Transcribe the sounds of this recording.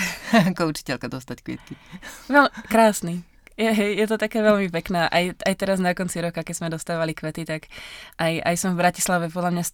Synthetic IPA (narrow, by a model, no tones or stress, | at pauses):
kɔut͡ʃi̥cɛlkad̪ɔst̪ackʋḭːt̪kiʋɛlkɾaːsni | jɛɦɛjjɛt̪̬ɔt̪akɛːʋɛlmipɛknaːʔajʔajt̪ɛɾaznakɔnt͡siɾɔkakɛzmɛd̪ɔst̪aːʋalikʋɛt̪it̪akʔajʔa̰jsɔmvbɾaci̥slaʋɛpɔd̪lamɲas